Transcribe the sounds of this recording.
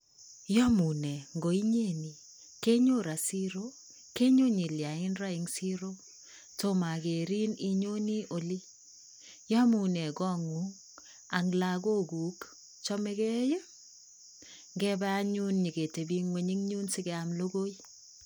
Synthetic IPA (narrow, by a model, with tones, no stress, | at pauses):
jɔ˦mu˨nɛ˨ŋɡo˨i˦ɲe˦˨ni˨ | ke˦ɲo˦ɾa˨si˦ɾo˦ | ke˦ɲo˦ɲi˨lja˨ɪ˦nɾa˦ɪ˨ŋsi˦ɾo˦ | to˦ma˨ɡe˨ɾi˦ni˦ɲo˦ni˦ʔo˨li˦ | jɔ˦mu˨nɛ˨ɡɔ˦˨ŋu˦ŋ | a˨ŋla˨ɡo˦ɡu˨k | t͡ʃɔ˦mɛ˦ɡɛ˦jɛ˦ | ŋɡɛ˦bɛ˦a˦ɲu˦nɲi˨ɡe˨te˨bi˦ŋwe˨ɲi˦ŋɲu˦nsɪ˦ɡɛ˨a˨mlo˦ɡo˦i˦